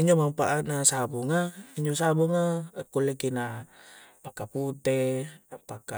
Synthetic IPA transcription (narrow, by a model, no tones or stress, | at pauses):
iɲd͡ʒomapaʔanasabuŋaiɲd͡ʒosabuŋakulekina | pakaput̪eapaka